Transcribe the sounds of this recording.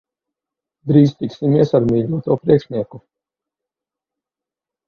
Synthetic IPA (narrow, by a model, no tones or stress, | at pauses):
d̪ɾiːzt̪iksimiɛsaɾmiːʎʲuɔt̪uɔpɾiɛkʃnʲiɛku